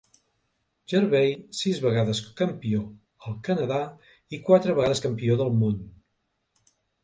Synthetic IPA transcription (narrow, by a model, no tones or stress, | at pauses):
ʒəɾβejsizβəɣaðəskəmpio | əlˠkənəða | ikwat̪ɾəβəɣaðəskəmpioðəlˠmun